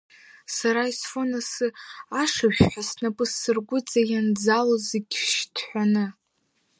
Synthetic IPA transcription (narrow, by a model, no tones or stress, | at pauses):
saɾaisfonasɨaʂaʒᶣʷħᶣasnapʼɨsːɨrɡʷʊt͡sʼajand͡zaloziɡʲʃtʰħʷanɨ